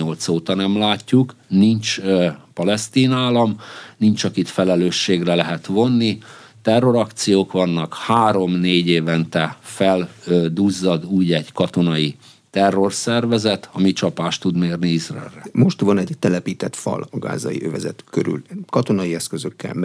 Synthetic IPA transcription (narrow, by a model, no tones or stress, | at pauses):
o̞lt̪soːt̪ɒnɛmlaːcːuknint͡ʃpɒlɛst̪iːnaːlɒmnint͡ʃɒkit̪fɛlɛløːʃːeːɡrɛlɛɦɛt̪ʋo̞nːi | t̪ɛrːo̞ɾɒkt̪sijoːkʋɒnːɒkhaːɾo̞mneːɟeːvɛnt̪ɛfɛld̪uːzːɒd̪uːɟɛɟkɒt̪o̞nɒi | t̪ɛrːo̞rsɛrvɛzɛt̪ɒmit͡ʃɒpaːʃt̪ːud̪meːrniizrɑ̰ɛ̰ːlːɛ̰moʃt̪ʋɒnɛɟt̪ɛlɛpiːt̪ɛt̪fɒ̰lɒɡa̰ːzɒ̰ḭʔøvɛzɛ̰t̪køɾy̰lkɒt̪onɒjiɛskøzøkːɛ̰lm